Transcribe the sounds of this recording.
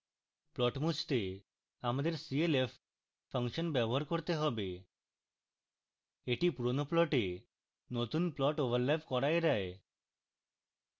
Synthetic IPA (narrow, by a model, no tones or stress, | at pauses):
plɔʈmut͡ʃt̪e | amad̪eɾsielef | fʰəŋʃɔnbɛboɦaɾkoɾt̪eɦɔbe | eʈipuɾonoplɔʈe | not̪unplɔʈobalːebʱkɔɾajɾae